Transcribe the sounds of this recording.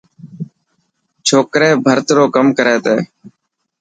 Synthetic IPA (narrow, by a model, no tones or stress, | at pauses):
t͡ʃʰoːkɾeːbʱəɾt̪ɾoːkəmkəɾeːt̪eː